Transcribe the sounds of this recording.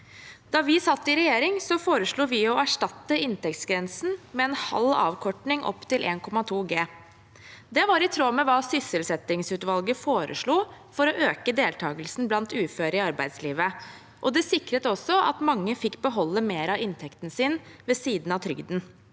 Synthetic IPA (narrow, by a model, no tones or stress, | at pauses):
d̪̥ɑːʋɪsɑt̪ːɪɾɛjeːɾɪŋsɔfoːɾəʂɭuːʋɪɔæʂʈɑt̪ːəɪnt̪ɛk̚t̪sɡɾɛnsn̩mɛɛnhɑ̰lːɑ̰ːʋkʰɔʈɳɪŋʔɔ̰pːt̪ʰɪlʔḛːnkʰɔmːɑt̪ʰuːɡeː | d̪ɛʋɑɾɪt̪ʰɾoːmɛʋɑːsʏsəlsɛt̪ɪŋsʉːt̪ʋɑlɡəfoːɾʔə̰ʂɭuːfɔɾɔʔøːkəd̪eːlt̪ʰɑːɡəlsn̩blɑnt̪ʉːføːɾɪɑɾbæɪd̪sliːʋə | ʔɔd̪ɛsɪkɾət̪ɔsːɔʔɑ̰t̪mɑŋːəfɪkːbəɦɔlːəmeːɾɑɪnt̪ʰɛkt̪n̩sɪnʋɛsiːd̪n̩ɑt̪ʰɾʏ̰ɡd̪n̩